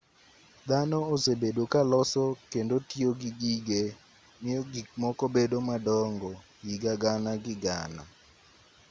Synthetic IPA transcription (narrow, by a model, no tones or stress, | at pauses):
d̪anɔosebedwokalɔsɔkendotioɡiɡiɡe | mɪjoɡikmɔkɔbedomadɔŋɡɔ | jiɡaɡanaɡɪɡa̰na̰